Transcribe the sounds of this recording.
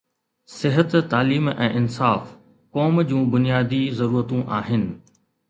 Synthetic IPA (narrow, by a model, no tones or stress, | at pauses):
sɪɦət̪t̪aːliːmɛ̰̃ːʔɪnsaːf | kɔːmd͡ʑũːbʊnijaːd̪izɐɾuːɾət̪ũʔaːɦɪnɪ̆